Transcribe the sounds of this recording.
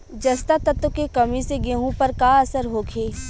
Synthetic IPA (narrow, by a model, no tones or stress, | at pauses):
d͡ʒɐst̪at̪ɐt̪ʊkekɐmiseɡeːɦũpɐɾkaɐsəɾɦoːkʰeː